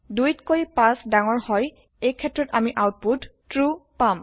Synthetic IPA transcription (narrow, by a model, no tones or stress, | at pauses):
dujtkoɹipãsdaŋɔɹhɔj | ejkʰɛtːɹɔtamiʔawt̚puttɹupam